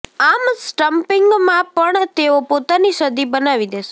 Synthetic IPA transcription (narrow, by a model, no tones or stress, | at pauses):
amsʈəmpɪŋɡmãpəɳt̪eopot̪aniʃəd̪ibənaʋid̪eʃe